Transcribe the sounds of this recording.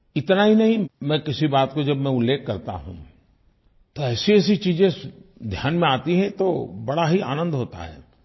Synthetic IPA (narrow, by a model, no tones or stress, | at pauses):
ɪt̪naɦinɐɦĩmɛ̃ːkɪsibaːt̪kod͡ʒɐbmɛ̃ʊlːeːkːɐɾt̪a̰ɦṵ̃ | t̪oɛːsiɛːs̬it͡ʃiːzẽsd̪ʱjaːnmẽaːt̪iɦɛ̃t̪obɐɽaɦia̰ːnə̃nd̪ɦoːt̪a̰ɦɛ̰ː